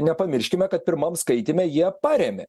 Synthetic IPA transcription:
nʲɛpɐmʲɪɾʲʃʲkʲɪmʲɛkɐt̪̚pʲɪɾmɐmskɐɪt̪ʲɪmʲɛjiɛpɑːɾʲɛmʲḛ

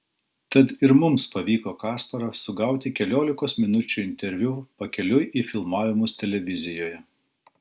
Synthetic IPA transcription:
t̪ɐt̪ɪɾmʊmspɐʋʲiːkoːkɑːspɐɾɐsʊɡɐˑʊt̪ʲɪkʲɛlʲoːlʲɪkoːsmʲɪnʊt͡ʃʲuɪnʲt̪ʲɛɾʲʋʲupɐkʲɛlʲʊjʔiːfʲɪlˠmɑːʋʲɪmʊst̪ʲɛlʲɛʋʲɪzʲɪjoːjɛ

